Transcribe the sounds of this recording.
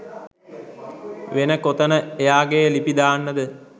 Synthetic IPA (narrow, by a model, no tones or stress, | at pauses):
ʋenəkot̪ənəejaːɡejːlipid̪aːnːəd̪ə